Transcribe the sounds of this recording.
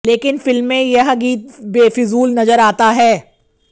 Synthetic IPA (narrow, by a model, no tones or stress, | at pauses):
leːkɪnfɪlmːẽjɐɦɡiːt̪̚beːfɪzuːlnɐzəɾaːt̪aɦɛː